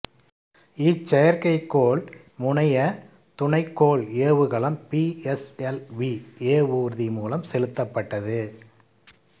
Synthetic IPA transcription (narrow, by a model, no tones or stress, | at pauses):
ɪt͡ʃːɐjɐɾkɐɪkːoːɭ | mʊɳɐjɐ | t̪ʊɳɐɪkːoːɭeːʋɯɣɐɭɐmpiɛsɛlʋieːʋuːɾðimuːlɐmsɛlɯt̪ːɐpːɐʈːɐðɯ